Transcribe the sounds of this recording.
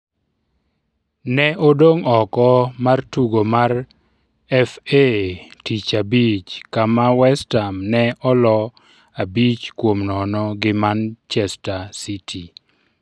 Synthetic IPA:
nɛʔodoŋɔkɔmartuɡomar | ɛfetit͡ʃabit͡ʃkamawɛstamnɛʔɔlɔ | abit͡ʃkwomnɔnɔɡɪmant͡ʃɛstasitʰi

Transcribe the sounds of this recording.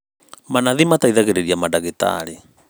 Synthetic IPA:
manaðimataiðaɣɛɾɛɾiamadaɣita̰ɾi

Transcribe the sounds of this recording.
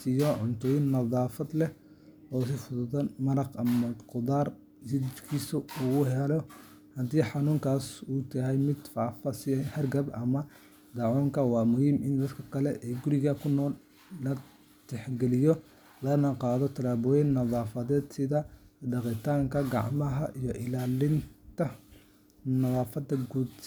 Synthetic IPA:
ɪjɔʕʊnt̪ʰɔːjɪnːɐðˤɑːfɐd̪lɛ | ɔːs̬ɪfʊðʊðɐmɐɾɑqɐmɐqʊðaːr | sɪdt͡ʃkʰiːsʊʊɣʊɦɛlɔ | hɐd̪iːħɑnuːŋkʰaːsuːt̪ʰɐɦɛjmɪd̪faːfɐsɪhɐrɡɐbʔɐmɐ | d̪ɑʕɔːŋkʰɐwɑːmʊhiːmʔɪnd̪ɐd̪kʰɐkʰɐlɛʔɛːɡʊɾɪɣɐkʰʊnɔːlː | ɐ | t̪ʰɛħɡɛlɪjɔ | lɐnɐqɑːðɔt̪ʰɐlaːβɔːjɛnːɐðɑːfɐðɛːd̪sɪðɐɖɑqɪt̪ʰaːŋkʰɐɡɑ̰ʕmɐɦɐʔijɔʔɪlaːlɪnt̪ʰɐ | nɐðɑːfɐd̪ɐɡuːd̪

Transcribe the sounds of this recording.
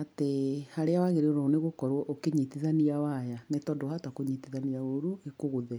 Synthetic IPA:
atehaɾeawaɣeɾeoɾɔoneɣokɔɾwɔʔokeɲitiðaniawajanetɔdɔhatakoɲitiðaniaoɾuekoɣoðɛ

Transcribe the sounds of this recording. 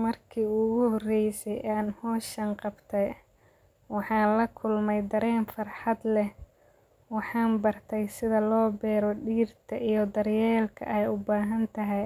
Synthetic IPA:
mɐrkʰiːʊɣʊhɔrɛjsɛjʔaːnhɔːʃɐŋqɑbt̪ʰɛj | wɑħɑːnlɐkʰʊlmɛjd̪ɐɾɛːnfɑrħɑd̪lɛ | wɑħɑːnbɐrt̪ʰɛjsɪðɐlɔːbɛːɾɔɖiːrt̪ʰɐʔijɞd̪ɐɾjɛːlkʰɐ̰ʔɛjʊbaːɦɐnt̪ʰɐɦɛj

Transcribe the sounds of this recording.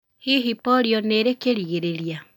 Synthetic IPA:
hiɦipɔɾiɔneɾekeɾiɣeɾeɾja

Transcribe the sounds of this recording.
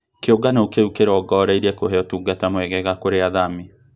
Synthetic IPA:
keoɡanaukeukeɾɔɡɔɾaiɾɛkohɛɔtuɡatamwɛɣɛɣakoɾeaðami

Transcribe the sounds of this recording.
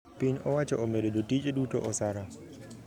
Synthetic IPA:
piɲɔwat͡ʃaʔɔmeɗɛdotit͡ʃʼeɗutɔ̰ʔɔsaɾa

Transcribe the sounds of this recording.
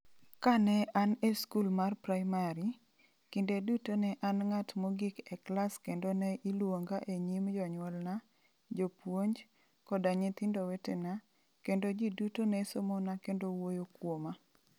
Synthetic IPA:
kanɛʔaneskulmarpɾajmaɾi | kindedutonɛʔanŋatmoɡɪkɛklaskendonɛʔilwoŋɡaʔeɲimd͡ʒɔɲwɔlna | d͡ʒopwoɲd͡ʒ | kɔdaɲet̪ɪndowetena | kendod͡ʒidutonɛsomonakendowojokwoma

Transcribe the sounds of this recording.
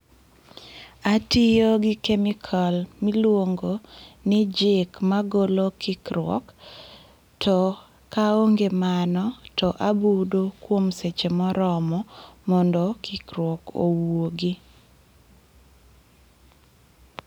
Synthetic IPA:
atɪjoɡɪkemikʰɔlmilwoŋɡonɪd͡ʒɪkmaɡolokʰɪkɾwɔ̰k | tɔ | kaoŋɡemanɔtɔʔabudokwomset͡ʃemɔɾɔmɔmɔndɔkʰɪkɾwɔko̰woɡi

